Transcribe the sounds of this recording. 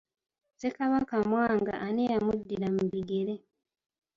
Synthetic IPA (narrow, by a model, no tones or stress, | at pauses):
z̥ekaβakamwaːŋɡa̰ʔanejamudːiɾamuβiɡe̞ɾe